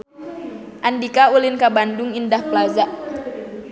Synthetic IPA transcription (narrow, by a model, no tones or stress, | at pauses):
ʔandikaulɪnkabandʊŋindahplazaʔ